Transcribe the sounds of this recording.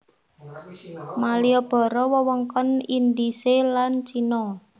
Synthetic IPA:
maliɔb̥ɔ̤ɾɔwəwɔŋkɔnind̪iselant͡ʃinɔ

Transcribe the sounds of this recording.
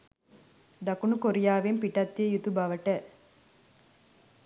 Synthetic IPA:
d̪ɐkunukoɾijaːʋempiʈɐt̪ːiejut̪ubɐʋɐʈə

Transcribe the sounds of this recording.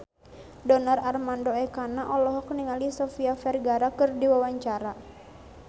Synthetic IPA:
dɔnararmandoɛkanaʔɔlɔɦɔk̚niŋalisɔfiafɛrɡaɾakɨrdiwawaɲt͡ʃaɾa

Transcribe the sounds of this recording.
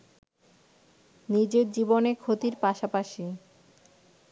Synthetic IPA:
nid͡ʑeɾd͡ʑibonekʰot̪iɾpaʃapaʃi

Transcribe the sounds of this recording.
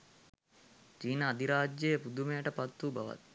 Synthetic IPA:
t͡ʃiːnəːd̪iɾaːd͡ʒjejəpud̪umejəʈəpat̪ːuba̰ʋa̰t̪̚

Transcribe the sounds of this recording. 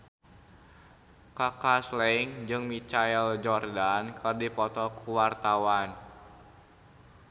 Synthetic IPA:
kakaslɛŋd͡ʒɨŋmit͡ʃaɛld͡ʒɔrdankɨrdipɔt̪ɔkʰuwart̪awan

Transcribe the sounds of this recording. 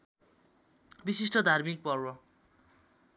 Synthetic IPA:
bisisʈʌd̪ʱarmik̚pʌrwʌ

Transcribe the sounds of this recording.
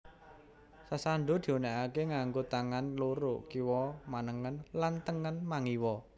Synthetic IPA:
sasaɳɖod̪̥i̤oneʔakeŋaŋɡot̪aŋanloɾʊʔkiwɔmanəŋənlant̪əŋənmaŋiwɔ

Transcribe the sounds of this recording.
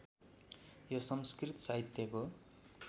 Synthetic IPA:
josʌmskrit̪ʌsaɦit̪jʌko

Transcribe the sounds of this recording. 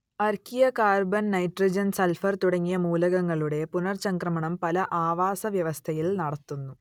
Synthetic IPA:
ɐrkʰijɐkaːrbɐnnɐjʈrid͡ʑɐnsɐlfɐrt̪uɽɐŋːijɐmuːlɐɣɐŋːɐɭuɽe̞punɐrsɐŋkrɐmɐɳɐmpɐlɐʔaːʋaːsɐʋjɐʋɐst̪ʰɐjilnɐɽɐt̪ːunːu

